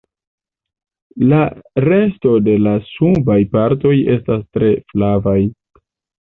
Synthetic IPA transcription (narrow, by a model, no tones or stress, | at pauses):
laɾe̞sto̞de̞lasubajpaɾto̞je̞stastɾe̞flavaj